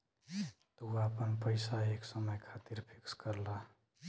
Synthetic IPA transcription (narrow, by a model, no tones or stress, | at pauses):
t̪ɔapənpəɪsaeksəməjkʰat̪iɾpʰikskəɾla